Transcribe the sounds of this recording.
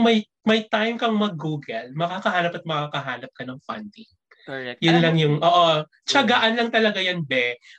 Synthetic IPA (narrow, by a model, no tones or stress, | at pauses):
ŋmɐj | mɐjt̪ajmkɐŋmɐɡːuːɡɛlmɐkakɐɦaːnɐpɐt̪̚mɐkaːkɐɦaːnɐp̚kɐnɐŋfɐ̰nt̪i | jʊnlɐŋjʊŋʔoːʔo | t͡ʃɐɡɐʔɐnlɐŋt̪ɐlɐɡajɐnbɛ